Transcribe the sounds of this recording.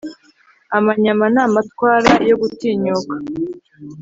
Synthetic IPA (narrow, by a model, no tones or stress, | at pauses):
amaɲamanaːmatwaːɾajo̞ɡutiːɲokḁ